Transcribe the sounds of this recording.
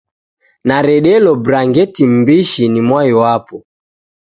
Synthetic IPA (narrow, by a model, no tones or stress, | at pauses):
naɾɛɗɛlɔbɾaŋɡɛtim̩biʃinimwajɔwapɔ